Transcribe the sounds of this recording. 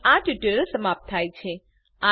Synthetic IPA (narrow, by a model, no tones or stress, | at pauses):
aʈiʈəɾəsəmap̚t̪ʰajt͡ʃʰe | ã